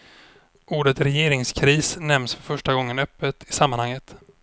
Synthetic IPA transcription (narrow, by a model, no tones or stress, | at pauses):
uːɖət̪ɾɛjeːɾɪŋskʰɾiːsnɛmsfœɾfœʂʈaɡɔŋːənœpːət̪ɪsamːanhaŋːət̪